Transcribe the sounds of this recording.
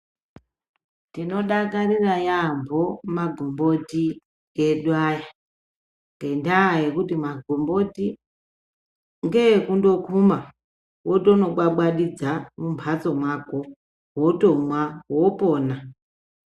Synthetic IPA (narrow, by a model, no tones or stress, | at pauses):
tino̞ɗakarirajambʱomaɡʱombo̞ti | ɡeɗwaja | ŋɡe̞ndaːje̞kutimaɡʱombo̞ti | ŋɡekundo̞kʰuma | woto̞no̞ɓwaɓwaɗid͡zamumbʱat͡so̞mwako̞ | woto̞mwawopoːna